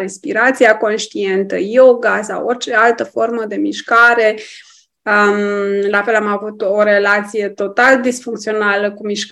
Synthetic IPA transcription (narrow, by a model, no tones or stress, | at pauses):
ɾespiɾat̪siako̞nʃt̪ie̞nt̪ə̰jo̞ɡasa̰wo̞rʲt͡ʃe̞alt̪əfo̞rməd̪e̞miʃkaɾe̞ | lafe̞lamavut̪o̞ɾe̞lat̪sije̞t̪o̞t̪ald̪isfuŋkt̪sio̞naləkumiʃk